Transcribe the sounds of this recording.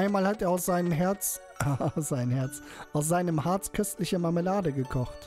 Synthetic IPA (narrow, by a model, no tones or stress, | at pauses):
ʔaɪnmaːlhateːɐaʊsz̥aɪnəmɦɛɐt͡s | asz̥aɪnəhɛɐt͡s | aʊs̬z̥aɪnəmhaɐt͡skʰœstlɪçəmaməlaːdəɡəkʰɔχt